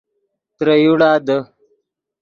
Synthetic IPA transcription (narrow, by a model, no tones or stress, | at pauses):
t̪ɾəjuɽaːd̪ə